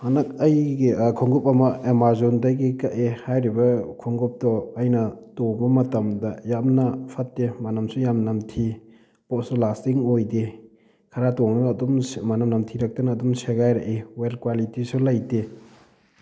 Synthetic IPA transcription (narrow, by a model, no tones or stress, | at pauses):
hanɐk̚ɐjɡekʰuŋɡup̚ɐmɐemaɾzondɐjɡikɐʔehajɾibɐkʰuŋɡup̚tɔɐjnɐtoŋbɐmɐtɐmdɐjamnɐpʰɐtːemɐnɐmsujamnɐmtʰi | potsulastiŋojde | kʰɐɾatoŋnɐːdummɐnɐmnɐmtʰiɾɐk̚tɐnɐːdumseɡajɾɐʔewelkwalitisulɐjte